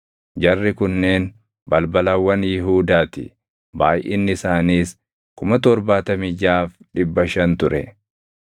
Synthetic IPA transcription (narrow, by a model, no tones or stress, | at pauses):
d͡ʒɐrːɪkʊnːe̞ːn | bɐlbɐlɐwːɐnjɪɦuːd̪aːt̪ɪ̰ | baːjʔɪnːɪsaːniːs | kʊmɐt̪ɔɾbaːt̪ɐmɪd͡ʒaːfᶑɪbːɐʃɐnt̪ʊɾɛ̰